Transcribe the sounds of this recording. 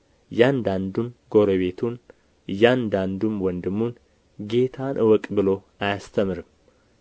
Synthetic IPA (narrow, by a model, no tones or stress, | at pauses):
jand̪and̪umɡo̞ɾoβe̞t̪ʰun | jand̪and̪umwɔnd̪ɨmːun | ɡe̞t̪ʰanʔɨwɔkʼbɨlo̞ | ajast̪ʰəmɨɾɨm